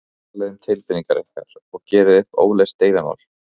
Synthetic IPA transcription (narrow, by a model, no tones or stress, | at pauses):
alɛðʏmt̪ʰɪlfɪnːiŋkaɾʔɪhka̰ɾ̥ɔɣcɛːɾɪðɪhpo̰ːwlejst̪eːjðama̰wl̥